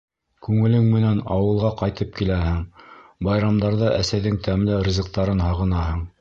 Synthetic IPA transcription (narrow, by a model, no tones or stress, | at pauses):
kʉŋɘ̆lɘŋmɘ̆nænɑwɤ̆lˠʁɑqɑjt̪ɤp̚kilæɦɘŋbɑjɾɑmd̪ɑɾðɤʔæsæjðɘŋt̪æmlɘɾʲɪzʲɘ̆q̚t̪ɑɾɤnɦɑʁɤ̆nɑɦɤɴ